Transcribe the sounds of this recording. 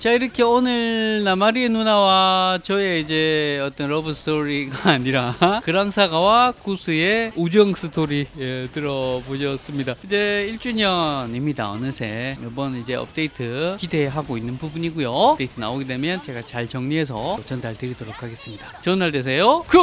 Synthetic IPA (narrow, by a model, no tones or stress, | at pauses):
t͡ɕaiɾʌkʰeonɯɭnamaɾienunawat͡ɕʌe̞id͡ʑe̞ʌt͈ʌnɾʌbɯsʰɯ̥tʰoɾiɡaːɲiɾakɯɾaŋsʰaɡawakusʰɯe̞ud͡ʑʌŋsʰɯtʰoɾietɯɾʌboɕʰʌs͈ɯmɲidaid͡ʑe̞iɭt͡ɕ͈uɲʌnimɲida̰ʌ̰nɯnsʰejʌbʌnid͡ʑe̞ʌ̰p̚t͈e̞itʰɯkide̞ɦaɡoinːɯnbubuɲiɡujoeitʰɯna̰oɡede̞mjʌnt͡ɕe̞ɡat͡ɕaɭt͡ɕʌŋɲiɦe̞s̬ʰʌt͡ɕʌndaɭtɯɾidoɾokʰaɡe̞s͈ɯmɲidat͡ɕʌnːaɭdwes̬ʰe̞jokɯ